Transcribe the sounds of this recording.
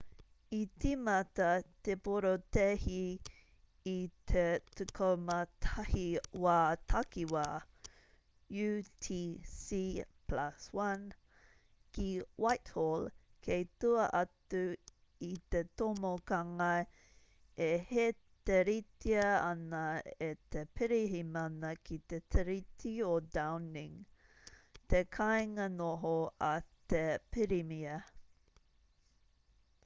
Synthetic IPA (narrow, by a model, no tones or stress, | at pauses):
itimɐt̪ɐt̪epoɾot̪ehiː | t̪ʰetukʰomɐtʰahiwaːtʰakiwaː | jutʰisiplaswan | kiwajtholkʰejtuɐʔɐtu | it̪etomokaŋɐ | ehe | t̪eɾitiɐɐnɐet̪epʰiɾiɦimɐnɐkʰit̪etʰeɾitʰiodawniŋ | t̪ekʰajŋɐnoɦoɐtepʰiɾimiɐ